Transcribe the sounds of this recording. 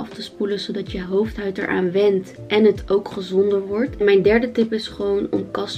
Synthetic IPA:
ɑftəspulənzowdɑtjəɦowftɦœɥtɛ̰ɹʔa̰ːnʋɛnt | ʔɛnɦətʰowkχəzɔndəɹʋɔɹtmɛjndɛɹdətɪpɪsχəʋownɔ̰mkɑs

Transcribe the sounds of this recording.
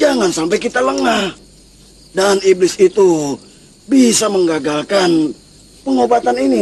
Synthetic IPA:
d͡ʒaŋansampajkit̪aləŋa | daniblɪsit̪u | bisaməŋɡaɡalkan | pəŋobat̪anini

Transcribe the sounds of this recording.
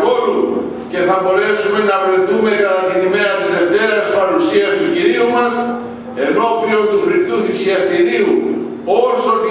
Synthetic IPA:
oɾu | ce̞θɐbo̞ɾe̞sume̞nɐvɾe̞θume̞kɐt̪ɐt̪inime̞ɐt̪ize̞ft̪e̞ɾɐspɐɾusiɐst̪uciɾiumɐs | e̞no̞pio̞nt̪ufɾipt̪uθisiɐst̪iɾiu | osot̪i

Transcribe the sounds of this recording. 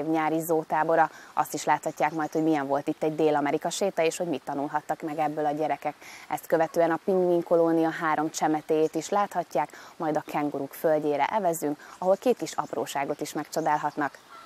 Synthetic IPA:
vɲaːɾizoːt̪aːbo̞ɾɒɒ̰st̪iʃlaːt̪hɒcːaːkmɒjt̪ho̞ɟmijɛɱvo̞lt̪it̪ːɛɟ̚d̪eːlɒmɛɾikɒʃeːt̪ɛeːʃho̞ɟmit̪ːɒnulɦɒt̪ːɒkmɛɡɛbːølɒɟɛɾɛkɛkɛst̪køvɛt̪øːɛnɒpiŋmiŋko̞lonijɒɦaːɾo̞mt͡ʃɛmɛt̪eːjeːt̪iʃlaːt̪hɒcːaːkmɒjd̪ɒkʰɛŋɡuɾukfølɟeːɾɛ̰ʔɛvɛzyŋkɒɦo̞lkeːt̪kiʃɒ̰pro̰ːʃaːɡo̞t̪iʃmɛkt͡ʃod̪aːlɦɒt̪nɒk

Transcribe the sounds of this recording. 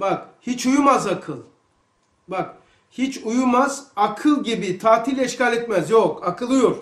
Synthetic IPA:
bakhit͡ʃujumazakʰɯlˠ | bak̚ | hit͡ʃʰujumazakʰɯlˠɟibit̪ʰaːt̪ʰilʲɛʃcalʲɛt̪mæzjokakʰɯlˠɯjoɾ̥

